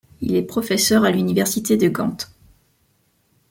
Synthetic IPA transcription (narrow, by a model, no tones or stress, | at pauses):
ḭlɛpχɔfɛsœʁalynivɛʁsit̪ed̪əɡɑ̰̃t̪